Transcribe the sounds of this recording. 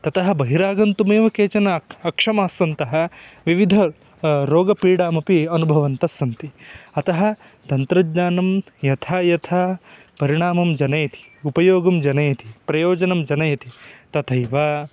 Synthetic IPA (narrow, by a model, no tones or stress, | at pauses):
t̪ɐt̪ɐɦɐ̆bɐɦiɾaːɡɐnt̪umeːʋɐkeːt͡ʃɐnɐɐkʂɐmaːsʋɐnt̪ɐɦɐ̆ʋiʋid̪ʱɐ | ɾoːɡɐpiːɽaːmɐpiɐnubʱɐʋɐnt̪ɐsɐnt̪iɐt̪ɐɦɐ̆ | t̪ɐnt̪ɾɐdɲaːnɐm | jɐt̪ʰaːjɐt̪ʰaː | pɐɾiɳaːmɐmd͡ʒɐnɐjɐt̪ʰi̥upɐjoːɡɐmd͡ʒɐnɐjɐt̪i̥pɾɐjoːd͡ʒɐnɐmd͡ʒɐnɐjɐt̪it̪ɐt̪ʰɐjʋɐ